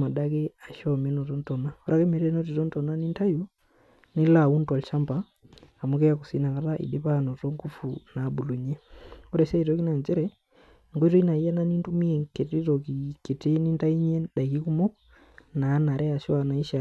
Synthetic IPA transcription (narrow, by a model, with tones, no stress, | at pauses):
ma˨ɗa˦kɛ˦a˨ʃɔmɛ˦nɔ˨tɔ˦ntɔ˨na˦ɔ˦ɾa˦kɛ˦mɛ˨ɾɛ˦nɔ˦t̬i˨tɔ˦n˦tɔ˨na˦ni˦nta˦ju˦ | ni˦la˨wu˦ntɔ˨lʃa˦mba˦ | a˨mu˦kɛ˦ja˦kusi˦na˨ka˨ɾa˦ʔḭ˨ɗe˦pa˦˨nɔ˨tɔ˦ŋɡu˦funa˨bu˨lu˨ɲɛ˦ɔ˦ɾɛsɛ˦i˨tɔki˦na˨nd͡ʒɛ˦ɾɛ | ŋɡɔ˦i˦tɔ˦i˦na˨i˦ja˦na˦ni˦ntu˦mi˦ɛ˨ke˨ti˦tɔ˨ki˨ke˨te˦ni˦nta˦i˦ɲɛ˦nɗa˨ki˦ku˦mɔ˦k | naː˨˦na˨ɾɛ˦a˨ʃɔ˦a˨na˨i˦ʃa˨